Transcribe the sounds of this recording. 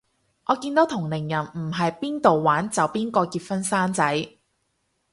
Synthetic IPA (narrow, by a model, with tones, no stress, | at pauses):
ʔɔː˨˧kiː˧nt̪o˨˥wt̪ʰʊ˨˩ŋlɪ˨˩ŋjɐ˨˩nm̩˨˩ɦɐ˨jpiː˥nt̪o˨wːaː˨˥nt͡sɐ˨˧wpiː˥nkɔː˧kiː˧t̚fɐ˥nsaː˥nt͡sɐ˨˥j